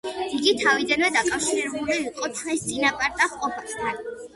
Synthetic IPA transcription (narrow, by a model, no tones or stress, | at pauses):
iɡit̪ʰavid̪anvɛd̪akʼafʃiɾɛbuliːqʼɔt̪ʰmɛst̪sʼinapʼaɾd̪aχqʼɔpʰast̪ʰan